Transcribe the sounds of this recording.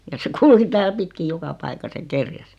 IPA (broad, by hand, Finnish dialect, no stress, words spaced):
jɑ se kulki tæːl pitkij̆ jokɑ pɑikɑs jɑ kerjæs